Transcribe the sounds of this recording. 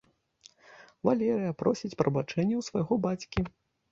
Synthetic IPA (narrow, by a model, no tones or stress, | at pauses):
valʲɛɾɨjɐpɾɔsʲit͡sʲpɾɐbat͡ʂɛnʲːɛwsvajɣɔbat͡sʲkʲi